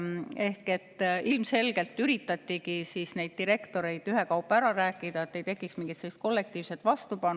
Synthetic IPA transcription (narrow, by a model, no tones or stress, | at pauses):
e̞hke̞t̪ːˑʔilmse̞lɡ̥e̞lt̪ːyɾit̪ːˑɑt̪ːikisiːsne̞jd̪̥̚t̪ːiɾe̞kt̪o̞ɾe̞jd̪yɦe̞kɑupːˑæɾɑɾæːkːˑid̪̥ɑet̪ːe̞jt̪e̞kːˑiksmiŋɡit̪selːist̪ko̞lːe̞k̚t̪iːv̥se̞t̪vɑst̪upɑn